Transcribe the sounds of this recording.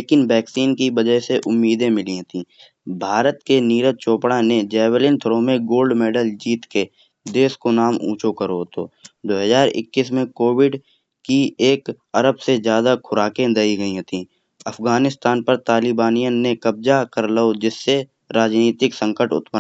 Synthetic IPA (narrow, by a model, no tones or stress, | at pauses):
leːkɪnbɛːksiːnkibəd͡ʒəɦseʔʊmːiːd̪ẽmɪliɦot̪ĩː | bʱaːɾət̪keniːɾət͡ʃoːpɽaned͡ʒɛːwəlɪnt̪ʰəɾõmẽɡoːlɖmɛːɖəld͡ʒiːt̪ke | d̪eːskonaːmṵ̃ːt͡ʃokəɾoɦt̪o̰ːd̪oːɦəzaːɾɪ̰kːis̬mẽkoːwɪɖ | kieːk | əɾəbsezjaːd̪akʰʊɾaːkẽd̪ɐiɡəiɦot̪ĩː | ɐfʰɡaːnɪst̪aːnpəɾt̪aːlɪbaːnijənẽkəb̚d͡ʒakəɾləod͡ʒɪsːe | ɾaːd͡ʒniːt̪ɪksə̃ŋkəʈʊ̰t̪pə